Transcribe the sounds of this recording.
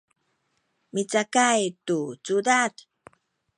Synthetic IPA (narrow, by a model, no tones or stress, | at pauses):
mit͡sakajtut͡sudat